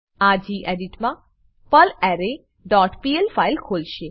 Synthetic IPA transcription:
ad͡ʒiʔeɖiʈmã | pəlɛɾe | ɖɔʈpielfailkʰolʃe

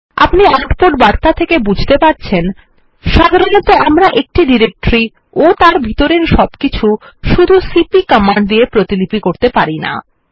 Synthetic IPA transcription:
a̰pniaʈpoʈbaɾt̪at̪ʰekebud͡ʑʱt̪epaɾt͡ɕʰen | ʃad̪ʱaɾonɔt̪oamɾaʔek̚ʈiɖiɾek̚ʈɾi | ot̪aɾbʱit̪oɾeɾʃɔbkit͡ɕʰuʃud̪ʱusipikɔmaɳɖd̪ijepɾot̪ilipikoɾt̪epaɾina̰

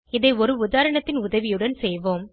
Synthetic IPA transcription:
ɪðɐɪɔɾɯʊðaːɾɐɳɐt̪ːɪnʊðɐʋɪjɯɽɐnsɛjʋoːm

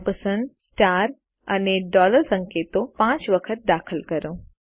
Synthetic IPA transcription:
pəsə̃nɖsʈaːɾ | ə̰neɖɔːləɾsə̃ŋkeːt̪õpãːt͡ʃʋəkʰət̪̚d̪aːkʰəlkəɾõː

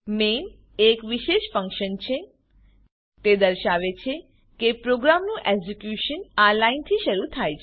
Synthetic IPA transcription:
men | ekʋiʃeʃfə̃ŋkʃənt͡ʃʰe | t̪ed̪əɾʃaʋet͡ʃʰe | kepɾoɡɾamnũʔeɡsekjuʃənalaint̪ʰiʃəɾut̪ʰajt͡ʃʰe

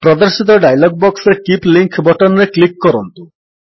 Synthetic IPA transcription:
pɾɔd̪ɔɾsit̪̬ɔɖajlɔɡ̚bɔksɔɾekipliŋkʰbɔʈɔnɔɾeklikːɔɾɔnt̪u

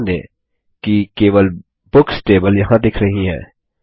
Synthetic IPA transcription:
nẽ | kikeːʋəl | bʊksʈeːbəljɐɦãd̪ɪkʰɾɐɦiɦɛ̰̃ː

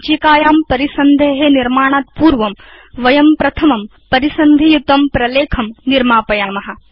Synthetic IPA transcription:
t͡ʃikaːjaːmpɐɾisɐnd̪ʱeːɦeːniɾmaːɳ̃aːt̪̚puːɾʋɐmʋɐjɐmpɾɐt̪ʰɐmɐm | pɐɾisɐnd̪ʱijut̪ɐmpɾɐleːkʰɐmniɾmaːpɐjaːmɐɦɐ̆

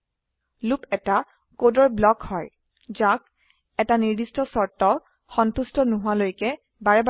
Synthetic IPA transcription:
lupɛta | kodɔɹblɔkhɔj | zak | ɛtaniɹdistɔsɔɹtɔ | xɔntustɔnʊɦʊalojkɛ | baɹɛba

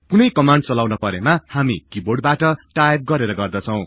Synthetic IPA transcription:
punʌjkʌmaɳɖ̚t͡sʌlawnʌpʌɾemahamikiborɖ̚baʈʌʈajb̚ɡʌɾeɾʌɡʌrd̪ʌt͡sʰʌw̃

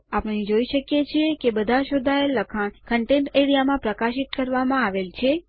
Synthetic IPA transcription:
apəɳid͡ʒoiʃəkjet͡ʃʰiekebəd̪ʱaʃod̪ʱaelːəkʰankəɳʈẽɳʈeɽijamãpɾəkaʃit̪kəɾʋamãaʋelt͡ʃʰe

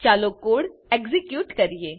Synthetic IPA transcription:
t͡ʃaːlokoːɽekzɪkjuːʈkɐɾieː

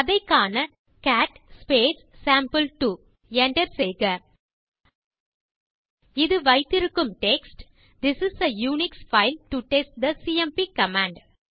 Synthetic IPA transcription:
ɐðɐɪkːaːnɐ | kæːʈspeːsːãːmpəlʈu | ɛɳʈɐɾseɪɡɐ | ɪðɯʋɐɪt̪ɪɾɯkːɯmʈeksʈ | d̪ɪsɪsɐjuːnɪksfaɪlʈuʈesʈ̚d̪ɐsiːɛmpiːkɐmãːɳɖ

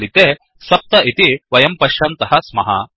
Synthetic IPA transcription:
lit̪eː | sɐp̚t̪ɐʔit̪iʋɐjɐmpɐʃɐnt̪ɐɦɐsmɐɦɐ̰

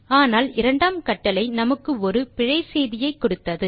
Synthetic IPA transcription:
aːnaːlɪɾɐɳɖaːmkɐʈːɐlɐɪnɐmɐkːɯɔɾɯpɪɻɐɪsejðɪjɐɪkːɔɽɯt̪ːɐðɯ

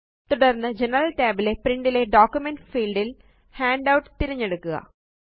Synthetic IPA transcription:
t̪uɽɐrnːɨd͡ʑenɐɾɐlʈeːbilepriɳɖile̞ɖoːkːjumenɖfiːlɖil | haːɳɖɐwʈːɨ̥t̪iɾɐɲːeɽukːuɣɐ̰

